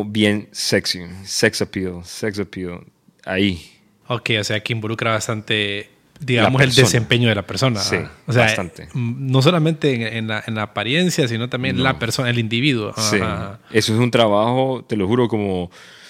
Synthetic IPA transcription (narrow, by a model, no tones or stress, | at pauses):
bjenseksiseksopioseksopio̰ | a̰i | okejo̞se̞akeimbo̞lukɾaβast̪ant̪e̞ | d̪iɣamoseld̪esempe̞ɲo̞ðelape̞ɾso̞naḭos̬eat̪ant̪eno̞s̬o̞lamẽnt̪e̞ːŋenlaʔenlaːpaɾje̞nsjasino̞t̪ambje̞nlapeɾsonaelind̪iβiðwo̰aiaaesoes̬unt̪ɾaβaxot̪eloxuɾokomo